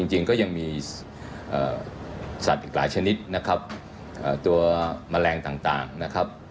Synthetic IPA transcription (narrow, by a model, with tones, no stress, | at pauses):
i˧ŋt͡ɕi˧ŋkɔː˥˩ja˧ŋmiː˧ | ʔə̰ː˨˩sa˨˩t̪̚ʔiː˨˩k̚laː˩˦jt͡ɕʰa˧ni˦˥t̪̚na˦˥kʰa˦˥p̚ | ʔəː˨˩t̪u˧ɐma˧lɛː˧ŋt̪aː˨˩ŋt̪a̰ː˨˩ŋna˦˥kʰa˦˥p̚